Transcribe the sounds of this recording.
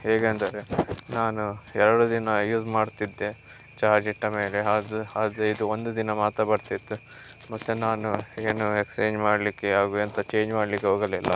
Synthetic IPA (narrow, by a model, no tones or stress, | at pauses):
ɦeːɡend̪aːɾenaːnuɛɾɐɽud̪inɐjuːzmaːɽt̪id̪ːe | t͡ʃaːɾd͡ʒiʈːɐme̞ːleɦadaːd̪eid̪uond̪ud̪inɐmaːt̪ɐbɐɽt̪it̪ːu | mɐt̪ːunaːnueːnuekst͡ʃeːɲd͡ʒmaːɽlikːeɦaːɡuɐnt̪ɐt͡ʃe̞ːɲd͡ʒmaːɽlikːeɦoːɡɐlilːɐ̰